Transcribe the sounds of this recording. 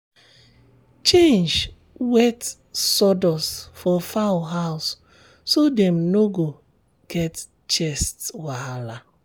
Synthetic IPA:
t͡ʃend͡ʒ | wet | sɔdɔsfɔfaʊɦaʊsː | odɛm̩noɡo | ɡ̥ɛt | t͡ʃɛstwaala

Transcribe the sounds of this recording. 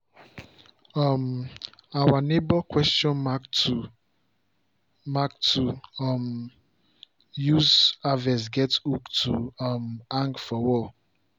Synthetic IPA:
ɔm | awanebɔkwɛstjɔ̃na | mak̚tum | juzavɛs̬ɡɛtuktʰumãŋkfɔwɔ

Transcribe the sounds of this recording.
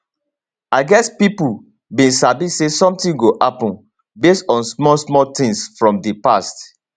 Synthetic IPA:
aɪɡɛspipu | bĩnsabisesɔ̃mtĩŋɡoʔapɔ̃n | bestɔ̃nsmɔsmɔtĩŋsfɹɔ̃mdəpast

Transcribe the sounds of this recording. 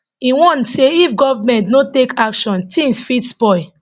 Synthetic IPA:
ĩwɔ̃nseifɡɔvamɛ̃ntnotekakʃɔ̃ntĩŋsfitspɔɪ

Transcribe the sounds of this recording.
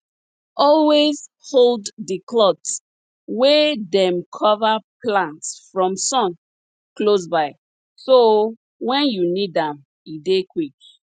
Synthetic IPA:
ʔɔlwez | holddəklɔts | wedɛ̃mkʰɔvaplãntsfɹɔ̃msɔ̃n | klos̬baɪ | so | wɛ̃njunidãm | idekwik̚

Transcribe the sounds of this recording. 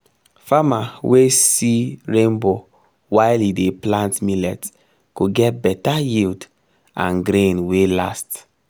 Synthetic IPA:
famawesiɹẽmbo | waɪlideplãntmilɛt | kuɡɛt̚bɛtajild | ã̰nɡɾẽnwelast

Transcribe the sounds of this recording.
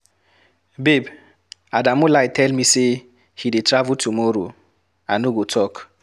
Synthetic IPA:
beb | adamʊlaɪtɛlmise | hidetɾavʊtumoɾo̰ | anoɡotʰɔk

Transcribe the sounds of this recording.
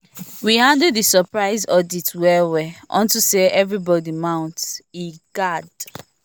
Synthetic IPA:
wihãndədðisəpɹaɪzɔditʰwɛwɛʔɔ̰̃ntuseʔɛvɹibɔdimãʊ̃ntsiɡ̥ad

